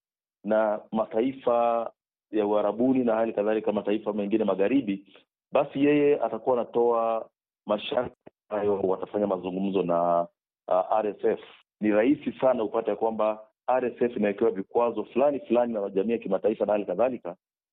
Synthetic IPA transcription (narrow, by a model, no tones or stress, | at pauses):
namataifa | jauaɾaɓuninahalikaðalikamataifamɛŋɡinɛmaɣaɾiɓi | ɓasijɛjɛatakuwaːnatɔa | maʃakabajɔwatafaɲamazuŋɡum̩zɔna | ʔaɾɛsɛf | niɾahisisanaupatɛjakwamba | aɾɛsɛfinawɛkɛwavikwazɔfulanifulaninamaʄamiːjakimataifanahalikaðalika